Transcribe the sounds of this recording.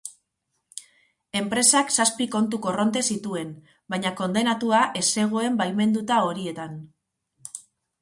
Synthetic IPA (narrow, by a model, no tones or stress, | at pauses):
e̞mpɾe̞saksaspiko̞nt̪ukoro̞nt̪e̞sit̪ue̞n | baɲako̞nd̪e̞nat̪uaʔe̞se̞ɣ̞o̞e̞mbalme̞nd̪ut̪ao̞ɾie̞t̪an